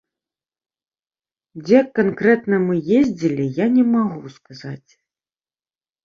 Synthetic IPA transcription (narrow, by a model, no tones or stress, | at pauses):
d͡zʲɛkːankɾɛt̪nɐmɨjezʲd͡zʲilʲijanʲɛmaɣuskazat͡sʲ